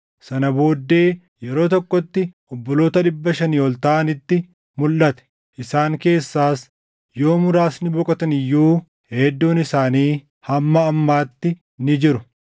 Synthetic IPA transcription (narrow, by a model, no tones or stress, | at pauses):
sɐnɐbo̞ːd̪ːe̞ː | jɛɾo̞ːt̪ɔkʼːɔt̪ːɪʔɔbːɔlo̞ːt̪ɐᶑɪbːɐʃɐniːɔlt̪ɐʔɐnɪt̪ːɪ | mʊlːɐt̪ɛ̥ | ʔɪsaːŋke̞ːsːaːs | jo̞ːmʊɾaːsnɪbɔkʼɐt̪ɐnɪjːuː | heːd̪ːuːnɪsaːniː | hɐmːɐːmːaːt̪ːɪ | nɪd͡ʒɪɾʊ